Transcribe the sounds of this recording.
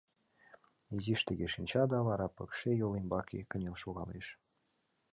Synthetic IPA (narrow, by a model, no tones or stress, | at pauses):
iziʃt̪ə̆ɣeʃinʲt͡ɕɑd̪ɑβɑɾɑpɤ̆kʃejolembɑkekə̆nʲelʃoɣɑ̰lḛʃ